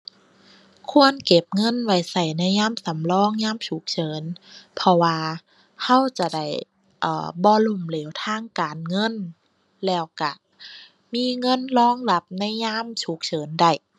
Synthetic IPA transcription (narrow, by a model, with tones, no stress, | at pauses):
kʰu˧˥ənke˧˩p̚ŋɤ˧˥˨nwa˧˩jsa˧˩jna˧˥˩jɲaː˧˥˨msa˨˦mlɔː˧˥˨ŋɲaː˧˥˨mt͡ɕʰu˨˦k̚t͡ɕʰɤː˨˦npʰɔ˧waː˧ | ha˧˥˨wt͡ɕa˧˩da˧˩j | ʔɤː˨˩bɔː˧lu˧˩˨mleː˨˦wt̪ʰaː˧˥˨ŋkaː˨nŋɤ˧˥˨n | lɛː˧˩wka˧˩ | miː˧˥˨ŋɤ˧˥˨nlɔː˧˥˨ŋla˧p̚na˧˥˨jɲaː˧˥˨mt͡ɕʰu˨˦k̚t͡ɕʰɤː˨˦nda˧˩j